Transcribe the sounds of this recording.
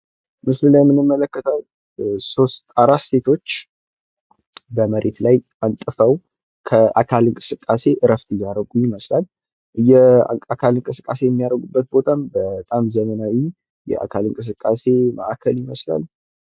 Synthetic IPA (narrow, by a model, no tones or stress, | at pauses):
mɨslunːajɛmːɨnɨmːələkːət̪ʰəw | so̞st̪aɾasse̞t̪ʰo̞t͡ʃː | bəməɾʔe̞t̪laj | ant̪ʼɨfəw | kʰəʔakʰalɨŋkʼɨsɨkʼːase̞ʔɨɾəft̪ʰʼɨjːaɾəɡujɪməslal | jɛa̰akʰalɨŋkʼɨsɨkʼːase̞jɛmːijaɾəɡubːət̪̚bo̞t̪ʰambət̪ʼamzəmənawi | jɛ̰ʔa̰kʰalɨŋkʼɨs̬ɨkʼːase̞mə̰ʔakʰəlɪməsla̰l